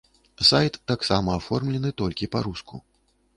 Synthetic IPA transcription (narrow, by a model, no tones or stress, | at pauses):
sajt̪ːaksamɐːfɔrmlʲɛnɨt̪ɔlʲkʲipaɾuskṵ